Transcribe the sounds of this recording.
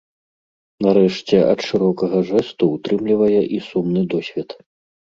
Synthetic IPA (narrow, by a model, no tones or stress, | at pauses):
naɾɛʂt͡sʲɛʔɐt̪ʂɨɾɔkɐɣɐʐɛst̪uːt̪ɾɨmlʲivɐjɛʔisumnɨd̪ɔsʲvʲɛt̪